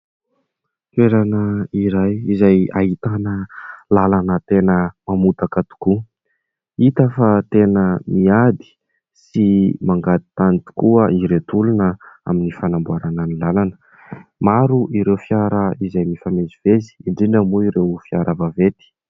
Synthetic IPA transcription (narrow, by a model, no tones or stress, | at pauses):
keɾanəiɾajizaja̰ɦit̪anəlalanət̪enəmamut̪akət̪u̥ku | it̪afat̪enəmiad̪i̥ | simaŋɡad̪i̥t̪anit̪u̥kuəʔiɾet̪ulunəa̰minifanambuaɾananilalanə̥ | maɾuʔiɾewfjaɾəizajmifamezivezi̥iɳɖ͡ʐinamuiɾewfiaɾʔəvavet̪i̥